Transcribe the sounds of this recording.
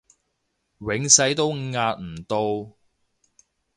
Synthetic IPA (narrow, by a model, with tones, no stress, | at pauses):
wɪ˨˥ŋsɐ˨˥jt̪o˥wŋaː˧t̚m̩˨˩t̪o˧w